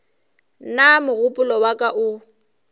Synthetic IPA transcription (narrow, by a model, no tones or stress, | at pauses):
namʊɣʊpʼʊlɔwakʼaʔʊ